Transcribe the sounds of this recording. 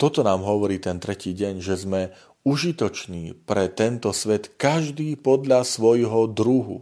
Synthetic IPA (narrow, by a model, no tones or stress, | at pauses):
t̪ɔt̪ɔnaːmɦɔʋɔɾiːt̪ɛnt̪ɾɛciːɟɛɲʒɛzmɛ | uʒit̪ɔt͡ʃniːpɾɛt̪ɛnt̪ɔsʋɛt̪kaʒd̪iːpɔd̪ʎasʋɔjɦɔd̪ɾuɦṵ